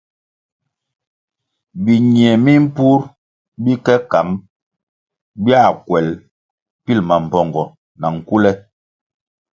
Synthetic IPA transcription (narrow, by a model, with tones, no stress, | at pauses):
bi˨ɲi˨ɛ˨mi˦m̩˦pu˦ɾ | bi˦kɛ˦ka˨˦ŋ | bja˦˨kwɛ˨l | pi˦˨lma˨m̩˨pɔ˨ŋɡɔ˨ | na˨ŋ̩˨ku˦lɛ˦